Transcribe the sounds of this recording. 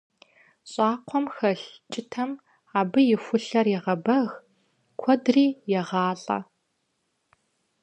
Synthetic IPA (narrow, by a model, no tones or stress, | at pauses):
ɕʼɑːqʷʰɔmxɐɬt͡ʃʼɪtʰɐm | aːbɨjɪxʷʊɬɐrjɛʁɐbɐɣ | kʷʰɔdriːjɛʁɑːɬʼɐ̰